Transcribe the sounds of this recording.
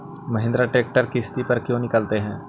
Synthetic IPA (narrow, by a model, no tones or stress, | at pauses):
məɦɪ̃nd̪ɾaʈeːk̚ʈəɾkɪst̪ipɐɾkjõːnɪkəlt̪eɦɛ̃ː